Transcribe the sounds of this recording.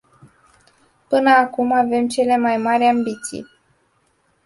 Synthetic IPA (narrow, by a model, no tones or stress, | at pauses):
pɨnəakumave̞mt͡ʃe̞le̞majmaɾʲambit̪sḭj